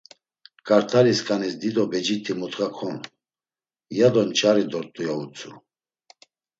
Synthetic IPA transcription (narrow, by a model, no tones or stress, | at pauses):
kʼaɾt̪ʰaɾiskʼanisd̪id̪ɔbɛd͡ʒit̪ʰimut̪χakʰɔn | jad̪ɔnt͡ʃʰʼaɾid̪ɔɾt̪ʼujaut͡sʰʼu